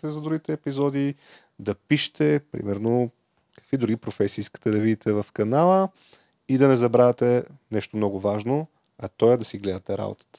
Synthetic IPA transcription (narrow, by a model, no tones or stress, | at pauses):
t̪ɛzɐd̪ɾuɡʲit̪ɛːpizɔd̪i | d̪ɐpiʃɛ̥t̪ɛpɾḭmɛɾno | kɐ̥kvid̪ɾuɡipɾofɛsiiskə̥t̪ɛd̪ɐvid̪it̪ɛvɐfkɐnalˠə | id̪ɐnɛzɐbɾavʲɛt̪ɛnɛʃt̪omnɔɡʊvaʒno | ɐt̪ɔjɛd̪ɐsiɡlɛd̪ɐt̪ɛɾa̰bo̰t̪ə̥t̪ə̥